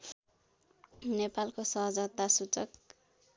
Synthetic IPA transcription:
nepalkosʌɦʌd͡zʌt̪ːasut͡sʌk

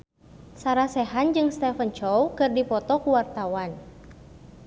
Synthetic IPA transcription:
saɾasɛɦand͡ʒɨŋst̪ɛfənt͡ʃɔwkɨrdipɔt̪ɔkuwart̪awan

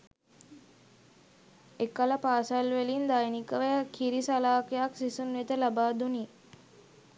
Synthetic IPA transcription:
ekaləpaːsalʋelind̪ajnikəʋejəkʰiɾisalaːkejaksisunʋet̪əlabaːd̪uni

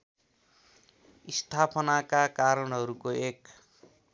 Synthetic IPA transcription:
ist̪ʰapʰʌnakakaɾʌnɦʌɾukoek

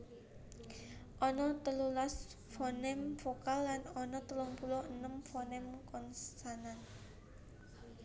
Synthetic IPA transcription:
ʔɔnɔt̪əlulas | fɔnɛmfokalːanɔnɔt̪əlɔŋpulɔənəmfɔnɛmkɔnssanan

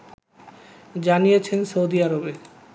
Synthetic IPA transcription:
d͡ʑanijet͡ɕʰensowd̪iaɾobe

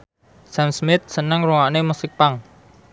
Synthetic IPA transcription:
samsmɪt̪̚sənəŋɾuŋaʔnemusɪk̚paŋ

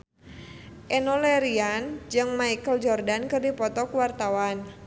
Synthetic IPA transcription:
ʔɛnɔlɛɾiand͡ʒɨŋmaikəld͡ʒɔrdankɨrdipɔt̪ɔkuwart̪awan

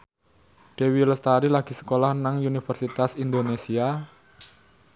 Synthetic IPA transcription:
ɖ̥e̤wiləst̪aɾilaɡ̥i̤sə̥kolahnaŋunifərsit̪asind̪onesia

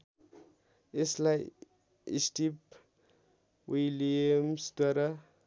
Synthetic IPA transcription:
eslaj | ḭsʈip | wijliemsd̪waɾa

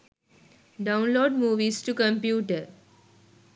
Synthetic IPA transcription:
ɖãʊ̃nloːɖmuːʋiːsʈukə̃mpjuːʈə

